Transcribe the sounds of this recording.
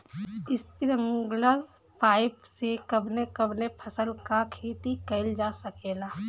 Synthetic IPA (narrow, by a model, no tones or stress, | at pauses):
ɪspiɾəŋɡləɾ | pʰaːɪpsekɐbnekəbnepʰɐsəlkakʰeːt̪ikɐɪld͡ʒaːsɐkeːlaː